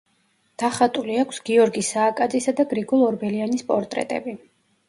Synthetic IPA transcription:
d̪̥aχat̪ʼuliakʷʰsɡ̥iɔɾɡisaːkʼad̪zisad̪aɡɾiɡɔlˠɔɾbɛlianispʼɔɾt̪ʼɾɛ̰t̪ʼɛ̰bi

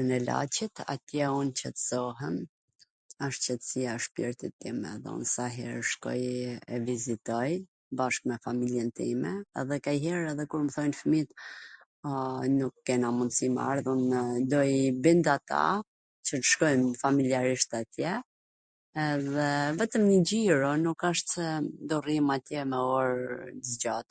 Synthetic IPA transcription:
nɛla̰t͡ɕit̪a̰t̪jɛunt͡ɕət̪əz̥ɔɦɛn | aʃt͡ɕɛt̪siaʃpiɾt̪it̪ːimɛ̰ðɛ̰ṵnsaɦɛ̰ɾʃkɔ̰jɛvizit̪ɔj | baʃk̚mɛfamiljɛnt̪imɛɛ̰ðɛkajɦɛɾɛðɛkuɾməθɔjnfəmit̪ | nukːɛnamund̪sima̰ɾðund̪ɔjbind̪at̪a̰ | t͡ɕə̥ʃkɔjmfamiliaɾiʃt̪at̪jɛː | ðɛvɛt̪əmɲəd͡ʑiɾɔnukaʃt̪sɛd̪ɔrimat̪jɛmɛɔɾzd͡ʑat̪

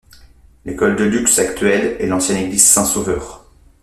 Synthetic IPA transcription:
lekɔld̪əlyksakt̪ɥɛlɛlɑ̃sjɛ̃neɡlizsɛ̃sovœːʁ

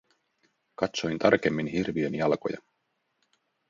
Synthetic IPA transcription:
kɑt̪so̞jnt̪ʰɑrke̞mːinɦirʋienjɑlko̞̰jɑ̰

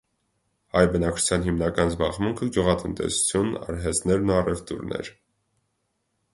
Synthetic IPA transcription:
hɑjbənɑk̚t͡ʃʰu̥t͡sʰjɑnɦimnɑkɑnzbɑʁmuŋkʰəɡʲjuʁɑt̪ənt̪ɛ̰su̥t͡sʰjunɑ̰ɾɦɛt͡snɛɾnuɑrɛft̪ṵɾnɛ̰ɾ

